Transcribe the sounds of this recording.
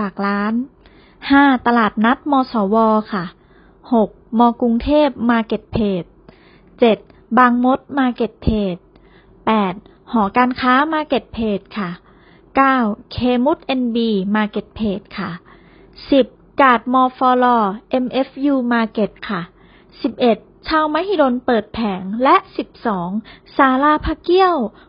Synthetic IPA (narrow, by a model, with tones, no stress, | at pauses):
aː˨˩k̚laː˦˥n | haː˥˩t̪a˧laː˨˩t̪̚na˦˥t̪̚mɔː˧sɔː˩˦wɔː˧kʰa˥˩ | ho˨˩k̚mɔː˧ku˧ŋt̪ʰeː˥˩p̚maː˧ke˨˩t̪̚pʰeː˨˩t̪̚ | t͡ɕe˨˩t̪̚ | baː˧ŋmo˦˥t̪̚maː˧ke˨˩t̪̚pʰeː˨˩t̪̚ | pɛː˨˩t̪̚ | hɔː˩˦kaː˧nkʰaː˦˥maː˧ke˨˩t̪̚pʰeː˨˩t̪̚kʰa˥˩ | kaː˥˩wkʰeː˧mu˦˥t̪̚ʔe˧nbiː˧maː˧ke˨˩t̪̚pʰeː˨˩t̪̚kʰa˥˩ | si˨˩p̚kaː˨˩t̪̚mɔː˧fɔː˧lɔː˧ʔe˧mʔe˦˥fjuː˧maː˧ke˨˩t̪̚kʰa˥˩ | si˨˩p̚ʔe˨˩t̪̚t͡ɕʰaː˧wmaː˦˥hiː˧do˧npɤː˨˩t̪̚pʰɛː˩˦ŋlɛ˦˥ʔsi˨˩p̚sɔː˩˦ŋsaː˨˧˦laː˧pʰaː˧ki˧˥˩əw